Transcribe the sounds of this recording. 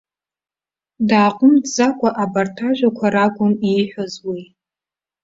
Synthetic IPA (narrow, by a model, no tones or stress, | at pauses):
daːqʷʼʊmdzakʷʼaʔabartʰaʒʷᶣakʷʰaɾakʷʼʊnijħʷᶣazwi